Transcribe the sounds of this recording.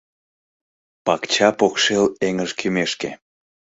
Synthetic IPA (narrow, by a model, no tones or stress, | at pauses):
pɑkt͡ɕɑpokʃeleŋəʒkʰymeʃke